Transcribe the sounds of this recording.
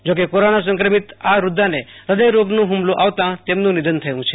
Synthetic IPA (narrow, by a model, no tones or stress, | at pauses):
d͡ʒokekoɾonas̬ə̃ŋkɾəmit̪aɾud̪ʱːaneɾəd̪əjɾoɡnũɦumloʔaʋt̪ãt̪emnũnid̪ʱənt̪ʰəjʋũt͡ʃʰe